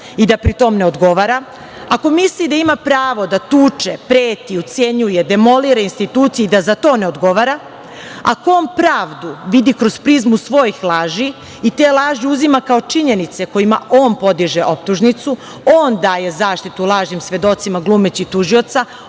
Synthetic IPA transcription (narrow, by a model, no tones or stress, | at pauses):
id̪apɾit̪o̞mne̞od̪ɡo̞ʋaɾa | ako̞mislid̪aimapɾaːʋo̞d̪at̪uːt͡ʃepɾeːt̪iot̪sje̞ɲujed̪e̞mo̞liɾainst̪it̪uːt̪sieid̪azat̪o̞ːne̞od̪ɡo̞ʋaɾa | a̰koonpɾaːʋd̪uʋid̪ikɾo̞zpɾizmusʋo̞jixlˠaːʒiː | t̪eːlˠaːʒiuzimakao̞t͡ʃiɲe̞nit̪sekojimao̞ːnpo̞d̪iʒeʔo̞p̚t̪uʒnit̪su | o̞ːnd̪aːje̞zaːʃt̪it̪ulˠaːʒɲimsʋe̞d̪o̞t̪simaɡlˠuːmet͡ɕit̪uʒio̞t̪sa